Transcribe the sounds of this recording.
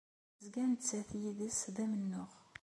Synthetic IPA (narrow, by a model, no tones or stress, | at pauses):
zɡænt͡sːæθjiðəsðæmənːʊʁ